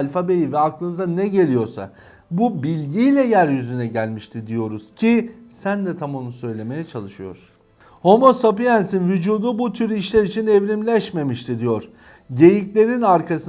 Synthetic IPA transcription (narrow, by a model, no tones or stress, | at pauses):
lʲfabejivɛaklˠɯnɯzanɛɟe̞lʲijo̞ɾsa̰ | bubilʲɟijlʲɛjæɾjyzynɛɟælʲmiʃt̪ʰid̪ijo̞ɾuz̥cʰisænd̪ɛt̪ʰamonusø̞jlʲe̞me̞jɛt͡ʃʰalˠɯʃɯjo̞̰ɾ̥ | ho̞mo̞sapijænsinvyd͡ʒuːd̪ubut̪ʰyɾiʃlʲæɾit͡ʃʰinɛvɾimlʲɛʃme̞miʃt̪ʰid̪ijo̞ɾ̥ | ɟe̞jiclʲe̞ɾinaɾkʰasɯ